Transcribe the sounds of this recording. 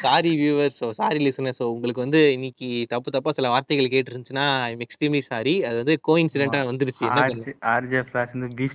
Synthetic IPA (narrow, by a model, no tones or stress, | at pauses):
saːɾiʋjuːʋɐɾsoːsaːɾilːisɔnːɐsoːʊŋɡɐɭɯkːɯʋɐnd̪ɯɪnːɪkːit̪ɐpːɯt̪ɐpːaːsɪlɐʋaːɾt̪ɐɣɐɭk̬eːʈ̬ːɯɾɯnt͡ʃːɯnːaːmɛksʈimlisaːɾiɐðɯʋɐnd̪ɯkoːɪnsɪɖɛɳʈãːʋɐnd̪ɯɾɯt͡ʃːɯɛnːɐsɔaːɾd͡ʒɐflaːsɐnd̪ɯbi